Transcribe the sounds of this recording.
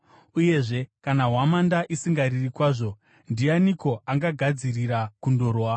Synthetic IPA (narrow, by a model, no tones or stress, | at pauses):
uje̞ʐe̞kanaɦwamandaʔisiŋɡaririkwaːʐo̞ | ndianiko̞ʔaŋɡaɡʱad͡ziriɾakundo̞ːɾowa